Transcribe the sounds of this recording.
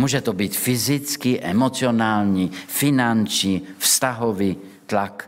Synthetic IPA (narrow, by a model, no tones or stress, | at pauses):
muːʒɛt̪ɔbicfizit͡skiʔɛmɔt͡sɪɔnaːlɲifinant͡ʃɲiːfst̪aɦɔʋiː | t̪lak